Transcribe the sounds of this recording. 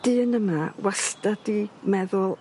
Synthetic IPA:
d̥ɨːnəmawastadimɛðʊlˠ

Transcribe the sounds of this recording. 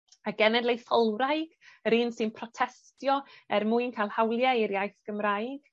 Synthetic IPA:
aɡɛnɛdlejθɔlˠɾajɡ̥əɾinsɨnpʰrɔtʰɛstjɔɛrmuɨnkʰajlˠhawlˠjɛiɾjajθɡ̥əmɾaːjɡ̥

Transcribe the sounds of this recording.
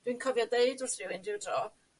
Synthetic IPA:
d̥winkʰɔvjɔdeɨdʊrθrɪwɪndɪwdrɔ

